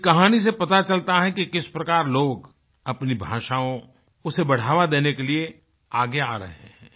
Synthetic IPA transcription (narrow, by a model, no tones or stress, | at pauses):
kɐɦaːnis̬epɐt̪at͡ʃɐlt̪aɦɛ̃kikɪspɾɐkaːɾloːɡ | ɐpnibʱa̰ːʃaːõ | ʊsebɐɽ̤aːʋad̪eːnekelie | aːɡjeaːɾɐ̰ɦeɦɛ̰̃ɛ̃ː